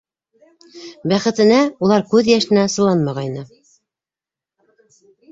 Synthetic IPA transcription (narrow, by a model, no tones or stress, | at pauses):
bæχɘ̆t̪ɘ̆næulˠɑɾkʉðjæʃɘ̆næsɤ̆lˠɑnmɑʁɑjnɤ